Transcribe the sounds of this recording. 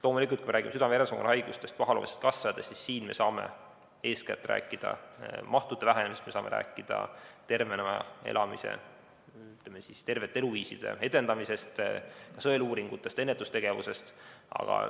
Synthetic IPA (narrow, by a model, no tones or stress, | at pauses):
lo̞ːmulikut̪kuimɾæːɡimsyd̪ɑmeeɾesoɡɑ̰nhɑjɡ̥ust̪e̞st̪pɑɦɑlo̰ːmisest̪̚kɑsːɑd̪estːsːissiːnme̞̰sɑːme̞̰ | e̞ːskæ̰t̪ːˑrʔæ̰ːkˑːid̪̥ɑ̰mɑht̪ud̪ːˑevæɦænemst̪me̞sɑːme̞ɾæ̰ːkːˑid̪̥ɑ̰t̪e̞rvenemɑ̰ḛlʔɑmisḛ | yt̪lemːesist̪e̞rve̞t̪ːee̞luviːsid̪̥e̞̰e̞d̪e̞nd̪ɑmise̞st̪kɑsɤeluːɾiŋɡ̥ut̪ːˑe̞st̪e̞nːet̪ːˑust̪e̞ɡ̥e̞vuse̞st̪ɑ̰ɡ̥ɑ̰